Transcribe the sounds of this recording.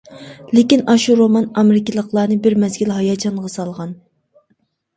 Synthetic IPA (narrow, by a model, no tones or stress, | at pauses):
lɪkʲinɑʃuɾomɑnɑmɪɾɪkʲɪlˠəqlˠɑːnɨbɪɾmɛzɡʲilɦɑjɑːt͡ʃʰɑnʁɑsɑlˠʁɑn